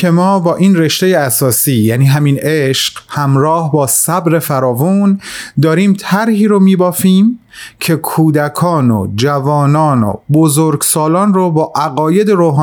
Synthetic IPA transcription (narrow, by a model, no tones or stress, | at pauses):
e̞mɒːbɒːʔiːnre̞ʃt̪e̞jeæsɒːsiːjæːniːɦæmiːneʃɢ̥hæmɾɒːhbɒːsæbɾe̞fæɾɒːvund̪ɒːɾiːmt̪ʰæɾhiːɾomiːbɒːfiːm | cʰe̞kʰuːd̪ækʰɒːno̰d͡ʒævɒːnɒːno̰bozoɾɡsɒːlɒːnrobɒːʔæɣɒːje̞d̪e̞ɾoːɦː